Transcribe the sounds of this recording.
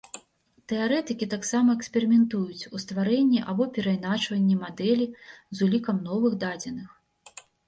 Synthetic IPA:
t̪ɛaɾɛt̪ɨkʲit̪aksamɐɛksʲpʲɛɾɨmʲɛnt̪ujut͡sʲust̪vaɾɛnʲːiʔabɔpʲɛɾɐjnat͡ʂvɐnʲːɛmad̪ɛlʲizulʲikɐmn̪ɔvɨɣd̪ad͡zʲɛnɨx

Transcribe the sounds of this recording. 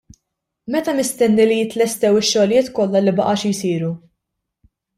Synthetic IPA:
mɛt̪ɐmɪst̪ɛnːilijɪt̪lɛst̪ɛwɪʃːɔlɪjɪːt̪kɔlːɐlibɐʔɐʃɪjsiːɾu

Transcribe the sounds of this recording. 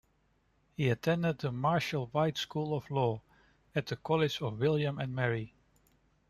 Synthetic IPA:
hiɨtʰɛ̃ndɨd̪̚ðəmɑɹʃl̩ˠwaɪtskulˠəv̥lɔː | ɨt̪̚ðɨkʰɑlˠɪd͡ʒʌvwɪlˠjɨ̃mɨ̃nmɛɹi

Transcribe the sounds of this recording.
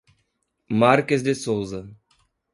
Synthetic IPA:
maɾkezd̪ɪsowzɐ

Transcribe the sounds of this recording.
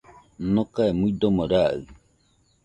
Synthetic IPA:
nokaemuid̪omoɾaɯ̰

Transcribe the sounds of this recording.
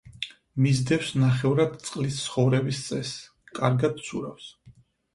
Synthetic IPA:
mizd̪ɛfsnaχɛvɾad̪t̪sʼqʼlist̪sʰχɔvɾɛbist̪sʼɛs | kʼaɾɡad̪̚sʰuɾafs

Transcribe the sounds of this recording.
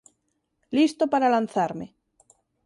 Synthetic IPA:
list̪opaɾalanθaɾme

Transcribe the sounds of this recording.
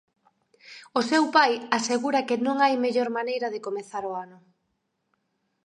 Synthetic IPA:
ʊsewpajaseɣuɾɐkɪnõŋajmeʎoɾmanejɾɐðɪkomeθaɾoanʊ

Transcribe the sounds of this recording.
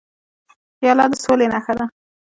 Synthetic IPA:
xjɑlɑd̪əsolenaxad̪a

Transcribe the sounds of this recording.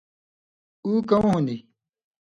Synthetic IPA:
uːkɐmõɦũnd̪i

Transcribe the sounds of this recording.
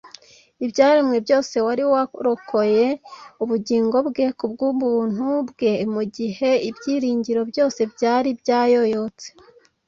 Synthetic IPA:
ibɟaːɾimŋebɟo̞ːse̞waɾiwaɾoko̞je̞uβuɟiːŋɡo̞bɡe̞kub̚ɡuβuːn̥ubɡe̞muɟihe̞ibjiːɾiːɲɟiɾo̞bjo̞ːse̞bjaːɾibɟaːjo̞jo̞t͡se̥

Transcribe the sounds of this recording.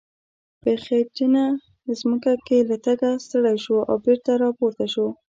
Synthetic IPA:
pəxed͡ʒina | əzməkakelat̪aɡast̪əɽajʃoʔa̰wbeɾt̪aɾɑpoɾt̪aʃo

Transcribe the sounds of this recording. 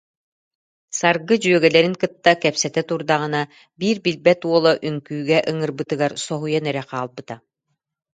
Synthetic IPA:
saɾɡɯd͡ʑyœɡɛlɛɾiŋkɯt̪ːakɛpsɛt̪ɛt̪uɾd̪aʁɯna | biːɾbilbɛt̪uɔlˠɔʔyŋkyːɡɛʔɯŋɯɾbɯt̪ɯɡaɾsɔɦujanɛɾɛqaːlˠbɯt̪a

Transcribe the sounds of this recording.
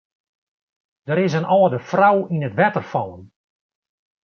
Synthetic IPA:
d̥əɾɪsənʔɔːdəfrawinətʋɛtərfɔlˠən

